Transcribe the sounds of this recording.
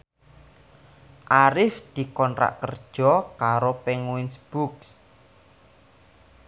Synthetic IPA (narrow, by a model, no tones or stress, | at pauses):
ʔaɾɪfd̪̥i̤kɔnɾa̰ʔkərd̥ʒ̥ɔ̤kaɾopɛŋwinsb̥uks